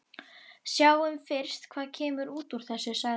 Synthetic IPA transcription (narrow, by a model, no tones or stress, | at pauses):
sjaːwʏmfɪɾ̥st̪kʰv̥aːðcʰɛːmʏɾuːt̪uɾ̥θɛsːɪ̥saː